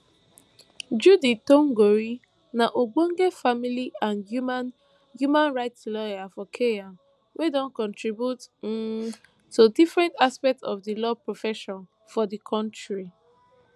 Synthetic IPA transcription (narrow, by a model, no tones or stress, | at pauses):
d͡ʒuditõŋɡoɹi | naʔoɡõŋɡefamiliãnu | jumãnɹaɪtslɔjafɔkʰejãn | wʔedɔ̃nkɔ̃ntɹibjut | udifɹɛ̃ntaspɛk̚tsɔfdilɔpɹofɛʃɔ̃n | fɔdikʰɔ̃ntɹi